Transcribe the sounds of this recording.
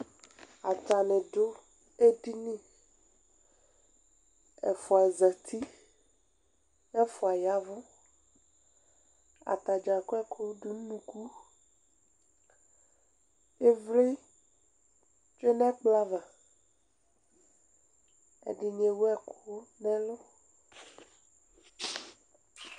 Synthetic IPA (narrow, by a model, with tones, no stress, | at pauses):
a˨t̪a˨ne˨ɖo˦ | e˦di˦nĩ˦ | ɛ̰˨fʊ˨a˨za˨t̪ʰi˦ | ɛ˦fʊ˨a˨ja˦vʊ˦ | a̰˨t̪a˨d͡ʒa˨ko˦ɛ˦kʰo˦ɖu˨n˦nũ˨ku˦ | e˦vle˦ | t͡ʃe˦nɛ̃˦k͡pla˦va˨ | ɛ̰˨ɖɪ˨ɲe˨wo˦ɛ˦kʰo˦nɛ̃˦lʊ˦